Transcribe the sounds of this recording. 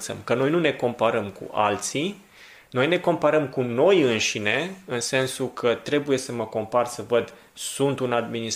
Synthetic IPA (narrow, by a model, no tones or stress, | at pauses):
sə̰mkəno̞jnune̞ko̞mpəɾəmkṵʔa̰lt̪si | no̞jne̞ko̞mpəɾəmkuno̞jɨnʃine̞ɨnse̞nsukʰət̪ɾe̞buje̞səməko̞mparsəvəd̪ | sunt̪unad̪minis